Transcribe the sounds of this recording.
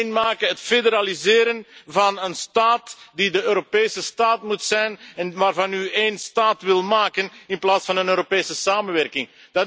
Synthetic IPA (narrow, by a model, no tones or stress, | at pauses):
nmaːkəɦətfedəɾalizɪːɾənvɑnənstaːtdidəøːɾopeːsəstaːtmutsɛjnɛnʋaːrvɑnyeːnstaːtʋɪlˠmaːkənɪnplaːtsfɑnənøːɾopeːsəsaːmənʋɛrkɪŋ | d̥ɑ